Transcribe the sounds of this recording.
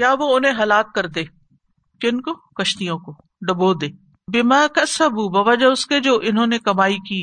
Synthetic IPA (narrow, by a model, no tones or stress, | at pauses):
jaːʋoʊnɦẽɦɐlaːk̚kɐɾd̪eː | kɪnkokɐʃt̪ijõko | ɖɐboːd̪eː | bɪmaːkɐsɐbuːbɐʋɐd͡ʒaʊsked͡ʒoːʔɪnɦõːnekɐmaːikiː